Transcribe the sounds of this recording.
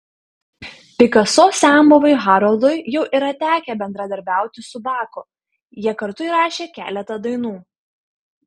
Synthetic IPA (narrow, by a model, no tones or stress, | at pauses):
pʲɪkɐsɔsʲæːmoʋɐɪɣɑːɾɔlˠd̪ojjɛʊʔɪɾɐt̪ʲæːkʲɛbʲɛnd̪ɾɐd̪ɐɾʲbʲæˑʊt̪ʲɪsʊbɑːkʊ | jiɛkɐɾt̪ʊiːˑɾɑːʃʲeːkʲæ̰ːlʲɛt̪ɐd̪ɐɪnuː